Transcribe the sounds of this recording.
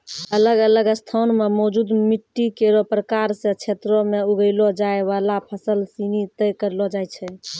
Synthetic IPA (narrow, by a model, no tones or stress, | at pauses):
ələɡələɡəst̪ʰanmemɔd͡ʒud̪miʈːikeɾopɾəkaɾsẽt͡ʃʰet̪ɾomeuɡəɪlɔd͡ʒaeβalapʰəsəlsinit̪əjkəɾlɔd͡ʒajt͡ʃʰɛ